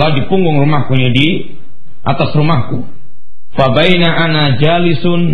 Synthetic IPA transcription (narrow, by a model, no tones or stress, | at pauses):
laudipuŋɡʊŋrumahkuɲadi | ʔa̰t̪asrumahku | fabajnaʔanad͡ʒalɪsʊn